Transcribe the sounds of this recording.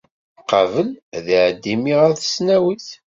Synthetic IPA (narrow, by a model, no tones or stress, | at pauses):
qːɑvəlðʕəd̪ːimiʁæθə̥snæwiθ